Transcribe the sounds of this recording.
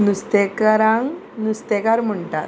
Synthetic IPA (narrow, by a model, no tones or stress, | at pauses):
nust̪ekaɾãŋ | nust̪ekaɾm̤əɳʈa̰t̪̚